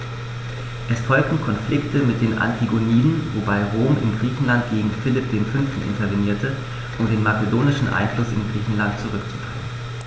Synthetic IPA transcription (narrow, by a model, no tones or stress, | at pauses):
ʔɛsfɔlk̚tn̩kʰɔnflɪktəmɪt̚d̥eːnʔa̰ntʰiɡoniːdn̩vobaɪʁoːmɪ̰nɡʁiːçn̩lant̚ɡ̥eːɡŋ̩fɪlɪp̚d̥eːnfʏnftn̩ʔɪ̰ntɐveniːɐtə | ʔʊmdeːnmat͡sedoːnɪʃn̩ʔa̰ɪnflʊsɪ̰nɡʁiːçn̩lantt͡suʁʏkt͡su̥dʁɛːn